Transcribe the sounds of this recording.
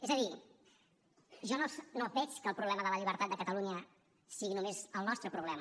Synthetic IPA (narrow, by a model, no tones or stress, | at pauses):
ɛzəði | ʒɔnosnobɛt͡ʃkəlˠpɾuβlɛməðələʎiβəɾt̪at̪̚d̪əkət̪əluɲə | siɣinumezəlˠnɔst̪ɾəpɾuβlɛmə